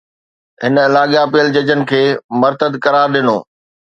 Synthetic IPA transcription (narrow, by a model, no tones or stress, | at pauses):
ɦɪnɪlaːɠjapijəld͡ʑɐd͡ʑənɪ̆kʰeːmɐɾt̪əd̪kɐɾaːɾɗɪnoː